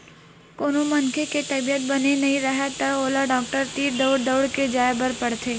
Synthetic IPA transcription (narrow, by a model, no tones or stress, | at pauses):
koːnomɐnkʰeket̪ɐbijət̪̚bɐnenɐɦĩɾɐɦet̪ɐoːlaɖɔːk̚ʈəɾt̪iːɾd̪ɐʊɽd̪əʊɽked͡ʒaːebəɾpɐɽt̪ʰeː